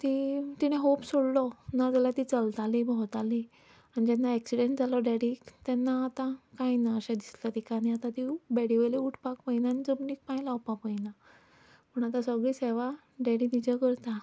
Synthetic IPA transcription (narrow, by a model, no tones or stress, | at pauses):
t̪it̪iñeɦopsoɽlɔnad͡z̪alat̪it͡səlt̪alibʱɔɦt̪ali | añid͡ʑɛnːaɛksiɖeɳʈd͡zalɔɖɛɽit̪ɛnːaːt̪akajnaəɕãd̪islat̪ikaɽ̃iat̪ãt̪ibɛɽiʋəjleuʈʰpakpainanid͡zəmniːk̚pãjlawpapəjna | pəɳat̪ãsəɡɭiːseʋa | ɖɛɽit̪id͡ʑəkəɾt̪a